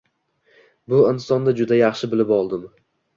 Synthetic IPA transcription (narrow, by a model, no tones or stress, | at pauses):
bʊɪnsɒnd̪ad͡ʒʊd̪ajɑχʃɪbɪlɪpɒlˠd̪ɪm